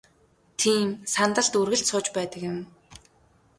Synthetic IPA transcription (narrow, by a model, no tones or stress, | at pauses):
t̪ʰiːmsant̪ə̆ɮt̪urɣɘ̆ɬt̪sʊːt͡ɕpæːt̪ə̆kjʊ̆m